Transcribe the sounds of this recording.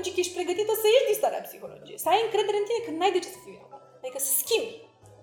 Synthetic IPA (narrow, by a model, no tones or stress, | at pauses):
d͡ʒikəjeʃt̪ʲpɾeɡət̪it̪əsəjeʒd̪ist̪aɾḛa̰psixolo̰d͡ʒijesəajɨŋkɾed̪eɾeɨnt̪inekɨnnajd̪ət͡ʃe̥sə̥fiminok | ad̪ikəsə̥skʲimb